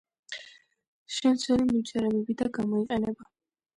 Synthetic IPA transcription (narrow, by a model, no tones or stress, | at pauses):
ʃɛmt̪sʰwɛɾimimtt͡ʃ̪ʰʼɛɾɛbɛbid̪aɡamɔiqʼɛnɛba